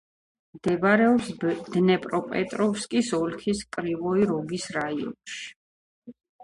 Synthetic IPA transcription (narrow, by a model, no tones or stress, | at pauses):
md̪̥ɛbaɾɛɔpsd̪nɛpʼɾɔpʼɛ̰t̪ʼɾɔfskʼisɔlkʰiskʼɾivɔiɾɔɡisɾaiɔ̰nʃi̥